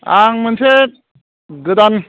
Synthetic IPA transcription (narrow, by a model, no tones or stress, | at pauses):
aŋmɯnsʰet̚ | ɡɯd̪an